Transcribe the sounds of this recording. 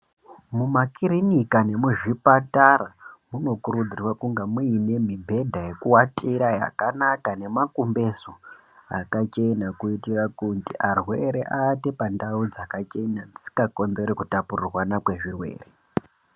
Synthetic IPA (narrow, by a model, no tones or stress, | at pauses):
mumakiɾinikane̞muʐipataɾamuno̞kuɾud͡zirwakuŋɡamuine̞mibʱe̞dʱaje̞kuwatʼiɾaja̰kanakane̞makumbe̞so | a̰kat͡ʃe̞nakuitirakuntiʔarwe̞ɾeʔate̞pandaud͡zakat͡ʃe̞nand͡zi̥si̥kako̞nze̞ɾekutapurirwanakwe̞ʐirwe̞̰ːre